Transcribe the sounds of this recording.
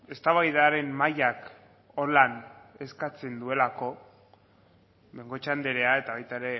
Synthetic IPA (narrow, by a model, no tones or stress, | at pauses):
e̞st̪aβajðaɾe̞nmajak | olane̞skat͡se̞nd̪ue̞lako̞ | be̞ŋɡo̞t͡ʃand̪e̞ɾeae̞t̪aβajt̪aeɾe̞